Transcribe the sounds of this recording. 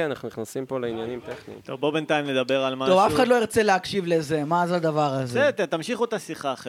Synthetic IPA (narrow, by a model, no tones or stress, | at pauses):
eanaχnuniχnasimpoleinjanimt̪eχnḭt̪o̰vbobent̪aimle̞d̪abe̞ʁalmaovafe̥χad̪loiʁt͡seleakʃivle̞ze̞mazald̪avaʁazeet̪t̪amʃiχot̪asiχaχe